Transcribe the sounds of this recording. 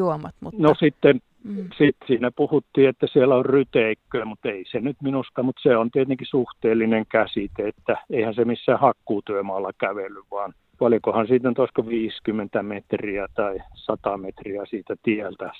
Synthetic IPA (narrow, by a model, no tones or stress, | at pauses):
uomɑt̪munosit̪ːen | sit̪siːnæpuhut̪ːiːet̪ːæsielːæorryt̪eikːøːmut̪eisenyt̪minust̪ɑmut̪seont̪iet̪eŋkisuht̪eːlːineŋkæsit̪eet̪ːæeihænsemisːæːhɑkːuːt̪yømɑːlːɑkæʋelːyʋʋɑːn | pɑljokohɑnsiːt̪ænyt̪oˑskoʋiːskymːent̪æmet̪riæt̪ɑisɑt̪ɑmet̪riæsiːt̪æt̪ielt̪æ